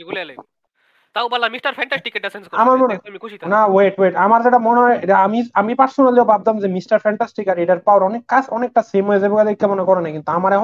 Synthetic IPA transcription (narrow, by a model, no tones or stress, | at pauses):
eɡuleɛle | t̪awbalamisʈɐɾfʰɛɳʈasʈikeʈɖasenskɔamaɾmonemikʰuʃit̪anaweʈweʈamaɾzeʈamoneɦɔeamiamipaɾsonald̪eobʱab̚d̪amzemisʈaɾfɛɳʈasʈikaɾeʈaɾpaoɾɔnekːasɔnek̚ʈasemoezebekad̪ekːɛmonekɔɾenakint̪uamaɾe